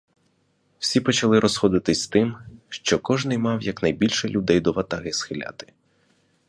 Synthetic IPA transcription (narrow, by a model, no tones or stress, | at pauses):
w̥sʲipɔt͡ʃɐlˠɪɾʔɔsxɔd̪ɪt̪ɪsʲst̪ɪmʃt͡ʃɔkɔʒnɪjmɑwjɐknɐjbʲilʲʃɛlʲʊd̪ɛjd̪ɔʋɐt̪aɦɪsxɪlʲa̰t̪ɪ̥